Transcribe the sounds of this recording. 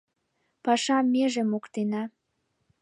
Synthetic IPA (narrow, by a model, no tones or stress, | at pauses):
pɑʃɑmːeʒemokt̪enɑ